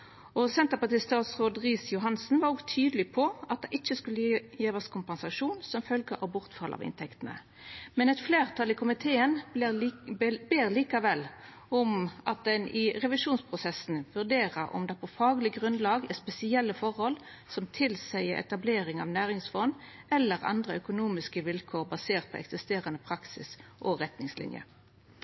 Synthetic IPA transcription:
ɔsɛnt̪əpɑt̪iːst̪ɑːt̪sʁoːd̪ʁiːsjʊɦɑnsn̩ʋɑɾɔɡt̪ʰyːd̪əlɪpʰɔɑt̪̚d̪ɛʔɪt͡ʃːəskʉlːəjeːʋɑskʰʊmpɛnsɑʂuːnsɔmfœlɡəʔɑbʊʁt̪fɑlʔɑ̰ʋɪ̰nt̪ʰɛkt̪ənə̰ | mɛnɛt̪fleːʁt̪ʰɑlɪkʰʊmɪt̪ʰeːən | beːɾliːkɑʋɛlː | ɔmʔɑt̪̚d̪ɛnʔɪʁɛʋɪʂuːnspʰʁʊsɛsnʋʉʁd̪eːʁəʁɔ̰md̪ɛːpʰɔfɑːɡlɪɡʁʉnlɑːɡɛspɛsɪɛlːəfɔʁhɔl | sɔmt̪ʰɪlsæɪəɛ̰t̪ɑbleːɾɪŋɑ̰ʋnæːʁɪŋsfɔnɛlːəʁɑ̰nd̪ʁəœkʊnuːmɪskəʋɪlkʰoːʁbɑseːʁt̪̚pʰɔ̰ɛ̰ksɪst̪eːʁɑnəpʰʁɑksɪ̰sʔɔʁɛt̪nɪŋslɪ̰njə̰

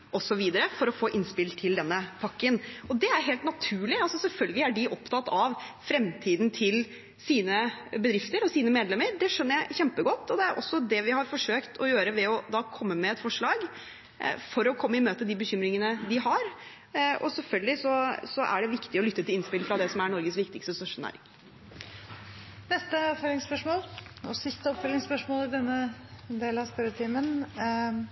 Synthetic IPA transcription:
ʔɔsɔʋiːd̪əɾəfɔɾɔfoːʔɪnspɪlt̪ʰɪld̪ɛnːəpʰɑkːənɔd̪ɛæɾɦeːlt̪nɑt̪ʰʉːɭɪɑlsɔsɛlfœlɡəlɪæɖɪʔɔpt̪ʰɑt̪ːɑʋfɾɛmt̪ʰiːd̪n̩t̪ʰɪl | siːnəbəd̪ɾɪft̪əɾɔsiːnəmeːd̪lɛmːəɾɖɛʂœnːəɾjæɪçɛmpəɡɔt̪ːɔd̪ɛæɾʔɔ̰sːɔd̪ɛʋɪɦɑɾfɔʂøːkt̪ʰɔjøːɾəʋɛɔd̪ɑːkʰɔmːəmɛɛt̪fɔʂɭɑːɡ | fɔɾɔkʰɔmːəɪmøːt̪əd̪ɪbəçʏmɾɪŋənəd̪ɪɦɑɾ | ɔ̰sɛlfœlɡəlɪsɔsɔʔæ̰ɖɛʋɪkt̪ɪɔlʏt̪ːət̪ɪlɪnspɪlfɾɑd̪ɛsɔmæɳɔɾɡəsʋɪkt̪ɪkst̪əst̪œʂʊnæ̰ːɾɪ̰ŋ | nɛst̪əɑpfœlɪŋspœʂmoːlɔsɪst̪əɔpfœlɪŋspœʂmoːlɪd̪ɛnːəd̪eːlɑsp̪ɛɾət̪ʰiːmən

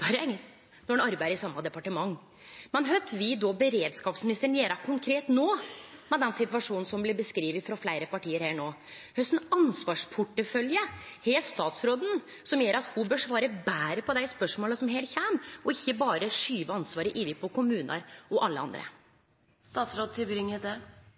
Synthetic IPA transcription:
nɔɑɾbæɪd̪əɾɪsɑmːɑd̪ɛpɑʈəmɑŋː | mɛnɦœt̪ʰʋɪd̪ɔbəɾeːd̪skɑːpsmɪnɪst̪əɳ̩jeːɾɑkʰʊŋkʰɾeːt̪noːmɛd̪ɛnsɪt̪ʋɑʂuːnn̩sɔmblɪbəskɾiːʋət̪fɾɑflæɪɾəpɑʈiːəɾhæːɳoː | hœsn̩ɑnsʋɑːʂpʰʊʈːəfœljəheːst̪ɑːt̪sɾoːd̪n̩ | sɔmjøːɾɑt̪hʊbøːʂʋɑːɾəbæːɾəpɔd̪æɪspœʂmoːləsɔmɦeːlt̪çæːmʔɔɪçːəbɑːɾəʂyːʋəɑnsʋɑːɾəʔɪːʋɪpʰɔkʰʊmʉːnʔɑ̰ɾɔʔɑlːəɑ̰nd̪ɾə̰ | st̪ɑːt̪sɾoːd̪̚t̪ʰɪbɾɪŋːəd̪e

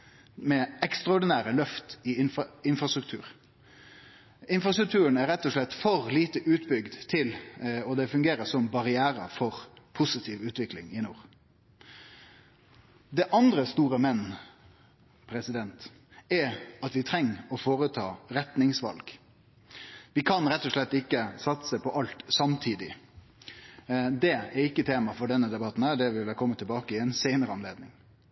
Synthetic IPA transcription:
mɛɛkst̪ɾɑɔɖɪnæːɾəlœft̪ɪɪnɪnfɾɑst̪ʁʉk̚t̪ʰʉːɾ | ɪnfʁɑst̪ɾʉkt̪ʉːɾənæɾɛt̪ːɔʂɭɛt̪ːfɔʁliːt̪əʔʉːt̪bʏɡd̪t̪ʰɪlɔd̪ɛfʉŋɡeːɾəsɔmbɑʁɪæːɾə̰fɔʁpʰʊsɪt̪ʰiːʋʉːt̪ʋɪklɪ̰ŋɪnuːɾ | d̪ɛʔɑnd̪ɾəst̪uːɾəmɛnː | pʰɾɛsɪd̪ɛnt̪ | ɛɑt̪ʋɪt̪ʰɾɛŋːɔfoːɾət̪ʰɑːɾɛt̪nɪŋsʋɑ̰lɡ̥ | ʋɪkʰɑnɾɛt̪ːɔʂɭɛt̪ːɪkːəsɑt̪səpʰɔʔɑlt̪sɑmt̪ʰiːd̪ɪ | d̪ɛɛɾɪkːət̪ʰeːmɑfɔɖɛnːəd̪ɛbɑt̪ːn̩hæːd̪ɛʋɪlʋɛkʰɔmːət̪ʰːɪlbɑːkəɪɛɪnseɪnəɾəɑnleːd̪nɪŋ

